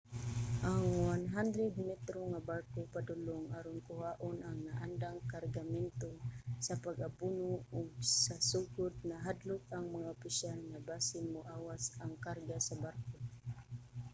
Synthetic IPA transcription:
ʔaŋwanɦand̪ɾɛd̪̚mɛt̪ɾoŋabarkopad̪ʊlʊŋʔaɾoŋkʊhaʔonʔaŋnaʔand̪aŋkarɡamɛnt̪osapaɡabunʊʊɡ̚sasuɡʊt̪̚naɦad̪lʊkaŋmaŋaʊpɪʃjalŋabasɪmoʔawasaŋkaɾɡasabarko

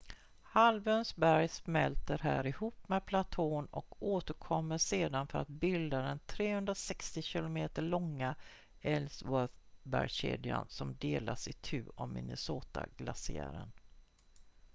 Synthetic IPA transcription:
halvœnsbæɾjsmɛlt̪əɾɦæːɾɪhuːpːmɛpʰlat̪ʰoːnɔkoːt̪əɾkʰɔmːəʂeːd̪anfœɾat̪̚bɪld̪ad̪ɛnt̪ʰɾeːhɵnd̪ɾasɛkst̪ɪɕɪlʊmeːt̪əɭɔŋːa | ɛlsvœɾθbæɾjɕḛːd̪ɪa̰nsɔmd̪eːlasɪt̪ʰʉ̟ːavmɪ̰nəsoːt̪ʰa̰ɡlasɪæ̰ːɾən

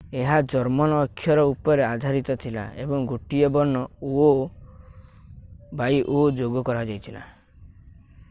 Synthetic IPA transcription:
eɦad͡ʒɔɾmɔnɔːkʰːjɔɾɔupɔɾead̪ʱaɾit̪ɔt̪ʰila̰ebɔŋɡoʈiɔbɔɾnːɔo | bʱaiʔod͡ʒoɡɔkɔɾaɦd͡ʒajt̪ʰila̰

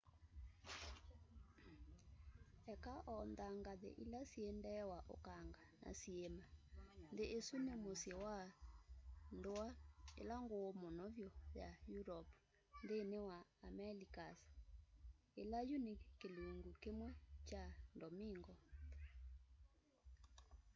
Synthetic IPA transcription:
ɛkaʔɔndaŋɡaðḛʔilasiendɛwaʔo̰kaŋɡana̰siemandeesunemosewa | ndoaḛlaŋɡoomɔnɔvjɔja̰juɾɔp | ndenewaːmɛlikas | elajunekeluŋɡukemwɛt͡ʃandɔmiŋɡɔ

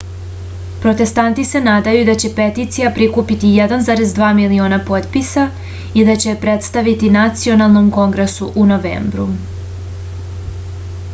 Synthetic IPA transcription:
pɾo̞t̪e̞st̪ant̪ise̞naːd̪ajud̪at͡ɕe̞pe̞t̪it̪sijapɾikuːpit̪ijed̪anzaːɾezd̪ʋaːmilio̞ːnapo̞t̪pisa | id̪at͡ɕe̞pɾe̞t̪st̪aʋit̪inat̪sio̞nalˠno̞mko̞ŋɡɾesuʔuno̞ʋḛːmbɾṵ

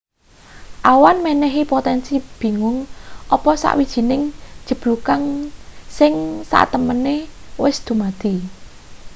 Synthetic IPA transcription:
ʔawanmɛnɛɦipot̪ɛnsib̥i̤ŋʊŋʔɔpɔsa̰ʔwid̥ʒ̥i̤nɪŋd̥ʒ̥ə̤b̥lukaŋsɪŋsa̰ʔt̪əmənewɪsd̪̥ṳmad̪̥i̤

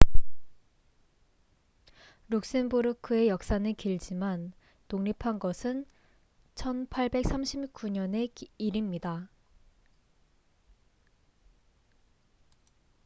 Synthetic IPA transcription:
ɾuk̚s͈enboɾɯkʰɯe̞jʌk̚s͈anɯɭkiɭd͡ʑiman | toŋɲipʰanɡʌsʰɯn | t͡ɕʰʌnpʰaɭbe̞k̚s͈ʰamɕʰipk͈uɲʌne̞iɾimɲida

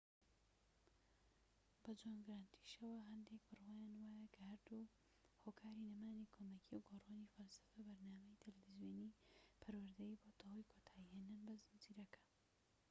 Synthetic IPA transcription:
b̥ɐd͡ʒoːnɡɨɾaːnt̪ʰi̥ːʃɐwɐɦɐnd̪eːk̚bɨrwajaːnwaːjɐkʰɐhɐɾd̪u | hoːkʰaːɾinɨmaːnikʰoːmɐkʰiwɡoroːnifɐlsɐ̥fɐbɐɾnaːmɐjt̪ʰɐlvizijoːniːpʰɐɾwɨɾd̪ɐjiboːt̪ʰɐhojkʰoːt̪ʰaːjiheːnd̪ɨnbɐzɨnd͡ʒiːɾɐkʰɐ̥

